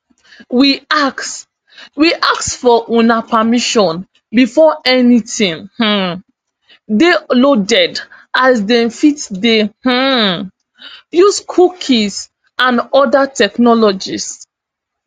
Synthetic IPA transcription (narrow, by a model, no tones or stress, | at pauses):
wiak | wiʔak̚sfɔʔũnapamiʃɔ̃n | bifɔɛnitĩŋh̩ | delodɛd | asdɛ̃nfitdeh̩ | juskʰukʰis | ãnɔdatɛknɔlɔd͡ʒis